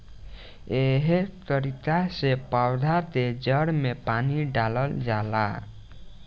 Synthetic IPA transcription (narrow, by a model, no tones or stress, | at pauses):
eɦet̪əɾikasepawd̪ʱat̪ed͡ʒəɽmepaniɖaləld͡ʒala̰